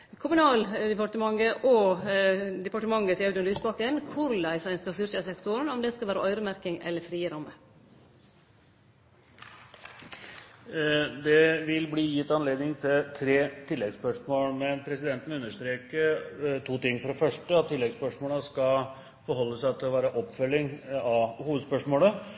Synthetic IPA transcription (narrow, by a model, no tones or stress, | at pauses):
kʰʊmʉnɑːld̪ɛpɑʈəmɑŋːəʔo | d̪ɛpɑʈəmɑŋːət̪ʰɪɑʉd̪ənlyːsbɑkənkʰʊɾlæɪsæɪnskɑst̪ʏɾçɑsɛkt̪ʊɳɔmd̪ɛskɑlʋæːɾəʔœʏɾəmæɾkɪŋɛ̰lːəɾfɾiːəɾɑmːə | d̪ɛʋɪlbliːjɪt̪ːɑnleːd̪nɪŋt̪ʰɪlt̪ʰɾeːt̪ʰɪlːɛɡspœʂmoːlmɛnpʰɾɛsɪd̪ɛnt̪ən̩ʉnːəʂt̪ɾeːkəɾt̪ʰuːt̪ɪŋːfɔɾɛfœʂʈəɑt̪ʰːɪlːɛɡspœʂmoːləskɑl | fɔɾɦɔlːəsæɪt̪ʰɪlɔʋæːɾəʔɔpːfœlːɪŋɑhuːʋəd̪spœʂmoːlə